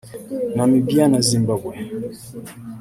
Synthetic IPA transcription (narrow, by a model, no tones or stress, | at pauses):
namibianazimbabwɛ